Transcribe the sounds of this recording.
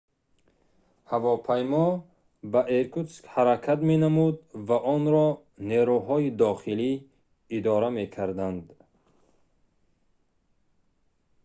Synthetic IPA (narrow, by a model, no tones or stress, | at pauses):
havɔpʰajmɔ | baʔeɾkʰut̪skhaɾakʰat̪me̞namud̪̚vaʔɔnɾɔ | neɾuɦɔid̪ɔχili | id̪ɔɾame̞kʰaɾd̪and̪